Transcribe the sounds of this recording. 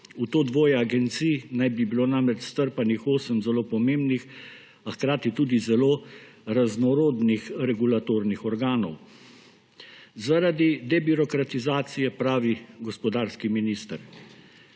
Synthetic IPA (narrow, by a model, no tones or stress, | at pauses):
ut̪oːd̪ʋoːjɛaɡɛnt̪siːnajbibiloːnamɾɛt͡ʃst̪əɾpanixoːsəmzɛloːpɔmeːmbnix | axkɾaːt̪it̪uːd̪izɛloː | ɾaznɔɾoːd̪nixɾɛɡulat̪oːɾnixɔɾɡaːnɔw | zaɾad̪id̪ɛbiɾɔkɾat̪izaːt̪sijɛpɾaːʋiɡɔspɔd̪aːɾskiminiːst̪əɾ